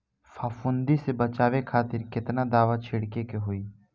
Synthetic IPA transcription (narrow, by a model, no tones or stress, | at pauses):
fʰaːfʊ̃nd̪isebɐt͡ʃaːʋekʰaːt̪ɪɾkɪt̪nad̪aːʋat͡ʃʰɪɽkekeɦoiː